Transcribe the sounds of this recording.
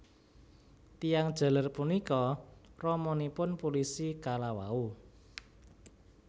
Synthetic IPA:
t̪ijaŋd̥ʒ̥ä̤larpunikɔrɔmɔnipʊnpulisikalawa̰u

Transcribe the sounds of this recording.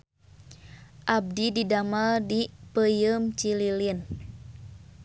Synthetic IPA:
ʔab̚dididamaldipəjəmt͡ʃililin

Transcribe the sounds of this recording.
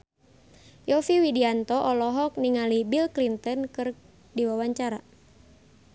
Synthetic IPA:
jɔfiwidiant̪ɔʔɔlɔɦɔk̚niŋalibilklint̪ɔnkɨr | diwawaɲt͡ʃaɾa

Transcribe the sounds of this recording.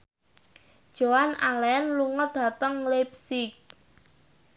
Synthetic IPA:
d̥ʒ̥oanalɛnluŋət̪̚d̪̥a̤t̪əŋlepsɪk̚

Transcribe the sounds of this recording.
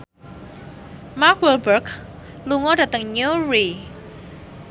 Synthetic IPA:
mak̚wəlbərɡ | luŋɔdä̤t̪əŋɲuɹi

